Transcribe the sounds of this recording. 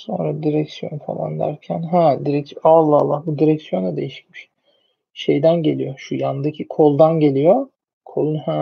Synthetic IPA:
so̞̰nɾad̪iɾɛcsijo̞̰nfa̰lˠa̰nd̪æ̰ɾcʰænɦæ̃d̪iɾɛsalˠːaalˠːahbud̪iɾɛcsijo̞nɛd̪e̞jiʃi̥cmiʃ | ʃe̞jd̪ænɟe̞lʲijo̞ʃujand̪acʰikʰo̞lˠd̪anɟe̞lʲijo̞ | kʰo̞lˠunhæ

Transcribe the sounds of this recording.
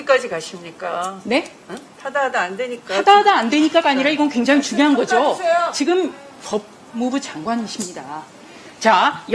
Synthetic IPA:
ik͈ad͡ʑikaɕʰimɲik͈ane̞ | tʰadaɦadaandweɲik͈aadaɦadaːndwe̞ɲik͈aɡaɲiɾaiɡʌnkweŋd͡ʑaŋit͡ɕumŋjoɦanɡʌd͡ʑot͡ɕiɡɯm | pʌb̚ | mubut͡ɕaŋɡwaniɕʰimɲida | t͡ɕaj

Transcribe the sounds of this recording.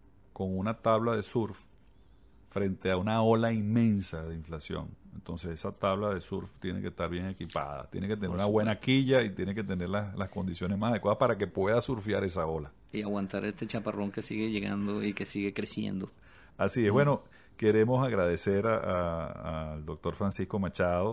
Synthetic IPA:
ko̞ŋunat̪aβlaðe̞suɾf | fɾe̞nt̪e̞aunao̞lainmẽ̞nsaðe̞iɱflasjo̞̰ŋent̪o̞nse̞se̞sat̪aβlaðe̞suɾft̪je̞ne̞̰ke̞st̪aɾβjeŋe̞kipa̰ða̰t̪je̞neket̪eneɾunawe̞nakkiʝait̪je̞neke̞t̪ene̞ɾlaslaskond̪isjo̞nesmasað̞ekwaðahpaɾake̞pwe̞ðasuɾfja̰ɾe̞sao̞la | iaɣwant̪aɾest̪e̞t͡ʃaparo̞ŋke̞siɣe̞ʝe̞ɣa̰nd̪oike̞siɣekɾesje̞̰nd̪o̞ | asieβwe̞no̞ | ke̞ɾe̞mo̞saɣɾað̞e̞se̞ɾaʔaː | ld̪o̞k̚t̪o̞ɾfɾansishko̞mat͡ʃaðo

